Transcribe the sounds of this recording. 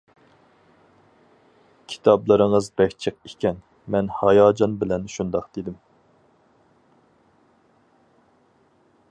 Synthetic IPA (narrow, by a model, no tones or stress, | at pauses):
kʲʰi̥t̪ʰɑblˠɨɾɨŋəzbɛkʲt͡ʃʰəq̚ikʲɛn | mɛnhɑjɑːd͡ʒɑnbɪlɛnʃund̪ɑqd̪̥ed̪ɪm